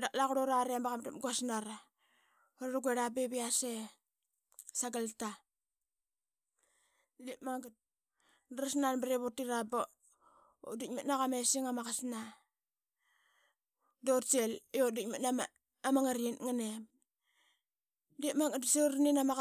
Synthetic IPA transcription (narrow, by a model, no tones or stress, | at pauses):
dak̚lakuɾoɾaɾembakamtamɡasnaɾa | ɾoɾaɡʷeɾabeβiase | saɡalta | lipmaŋɡat̚ | daɾasnanbaɾeβotiɾaba | dik̚matnaɣamesiŋamakasna | dotseljodikmatnama | amaŋaɾinŋanem | lipmaŋɡatseɾninama